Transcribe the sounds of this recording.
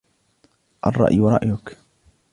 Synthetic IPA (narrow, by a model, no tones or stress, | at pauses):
ʔɑ̰rˤːɑ̰ʔjwɾˤɑ̰ʔjʊk